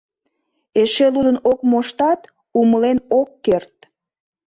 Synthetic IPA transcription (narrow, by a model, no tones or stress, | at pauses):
eʃelud̪ənokmoʃt̪ɑt̪ | uməlenokːert̪̚